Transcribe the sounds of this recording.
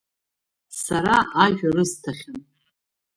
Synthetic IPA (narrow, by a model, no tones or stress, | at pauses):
saɾaʔaʒᶣarɨztʰaχʲan